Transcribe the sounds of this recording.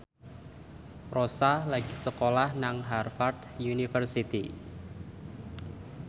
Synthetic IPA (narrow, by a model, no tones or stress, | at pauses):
rosalaɡ̥isəkolahnaŋɦarfart̪junifərsit̪i